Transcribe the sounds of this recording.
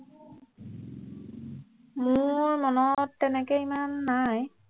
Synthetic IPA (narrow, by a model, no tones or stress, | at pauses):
mʊɹmɔnɔtːɛnɛkɛimanːaj